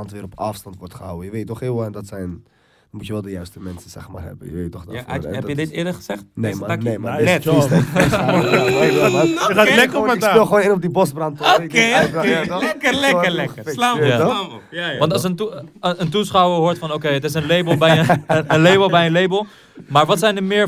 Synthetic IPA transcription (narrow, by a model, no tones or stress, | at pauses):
ɑntʋɪːɾɔpa̰fstɑntʋɔɹtχəɦa̰wəjəʋejtːɔχɪːlˠʋɔɛndɑtsɛjn | mutjəʋɛlˠdəjœɥstəmɛnsəsɛ̰χma̰ːrɦɛ̰bə̰jəʋeːtːɔχda̰ɛpjədɪtɪːɹdəɹχəzɛχtnemaneman | ajəχaːtlɛkəpəɪkapɪlˠxoːnɪnɔbdibɔsbrɑntoke | lɛkəlɛəlɛkəlaːa | jaʋɑntɑlsəntəntusχawəɦʊːɹtfɑnokejətɪs̬ənlejbəlˠbɛjəənlejbəlˠbɛjənlejbəlˠ | maːɹʋɑtsɛjndəmɪːɹ